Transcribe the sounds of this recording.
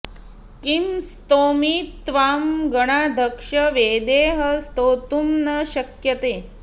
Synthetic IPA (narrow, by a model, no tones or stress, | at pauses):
kimst̪omiːt̪ʋamɡəɽ̃ad̪ʱəkʂəʋed̪eɦəst̪oːt̪umnəɕəkjət̪eː